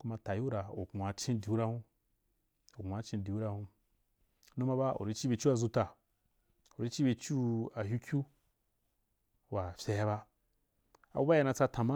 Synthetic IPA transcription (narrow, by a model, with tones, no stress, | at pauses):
ku˦ma˧ta˨ju˦ɾa˨o̰˨ɡu˨a˨t͡ʃĩ˦di˨u˦ɾa˧hũ˦ | o˨ɡʷa˨t͡ʃẽ˧di˨u˦ɾa˧hũ˧˦ | nũ˦ma˧ba˦o̰˨ɾi˧˦t͡ʃi˦be˧t͡ʃu˦a˧˨zu˧ta˨ | o˨ɾi˦t͡ʃi˦be˧t͡ʃu˦a˨ju˦kʲu˦ | wa˨fʲa˧ja˧ba˧ | a̰˨bu˦ba˦a˧nã˧t͡sa˧tã˨ma˦